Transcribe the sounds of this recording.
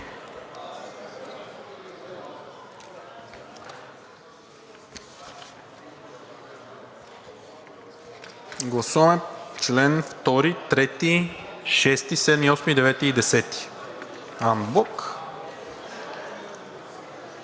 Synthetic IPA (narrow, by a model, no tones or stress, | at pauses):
ɡlˠɐsuvɐmɛt͡ʃlɛnft̪ɔɾit̪ɾɛt̪iʃɛst̪isɛd̪miɔsmid̪ɛvɛt̪iːd̪ɛsɛt̪i̥ | ambɔk